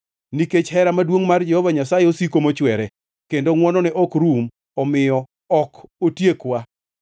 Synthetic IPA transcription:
niket͡ʃhɛɾamadwoŋmard͡ʒɛhɔvaɲasajeosikomot͡ʃwɛɾɛ | kendoŋwɔnɔnɛʔɔkɾum | ɔmɪjɔ | ɔkotjekwa

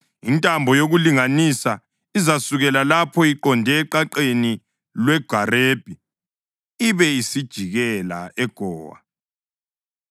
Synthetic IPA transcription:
intʼambʱɔjoɣuliŋanisa | izasuɣɛlalapʰɔiǃɔndʱɛːǃaǃeni | lwɛɡ̥ʱareb̥ʱi | iβɛisid̥ʒ̥ʱiɣɛla̰ɛɡ̥ʱɔːwa̰

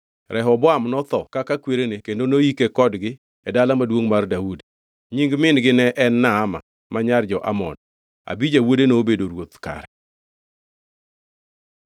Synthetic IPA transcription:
ɾʔɛɦɔbɔamnɔt̪ɔkakakweɾenekendonoikekɔdɡɪ | ɛdalamadwoŋmardaudi | ɲiŋɡmɪnɡɪnɛʔɛnːaːma̰ | maɲard͡ʒɔʔa̰mɔ̰n | a̰bid͡ʒawodenoːbedoɾwot̪ka̰ɾɛ

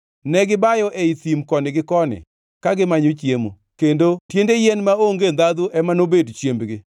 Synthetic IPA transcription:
nɛɡɪbajɔʔɛit̪imkɔnɪɡɪkɔnɪ̰ | kaɡɪmaɲot͡ʃjemo̰ | kendotjendejɛnmaoŋɡend̪ad̪uʔɛmanobedt͡ʃjembɡɪ

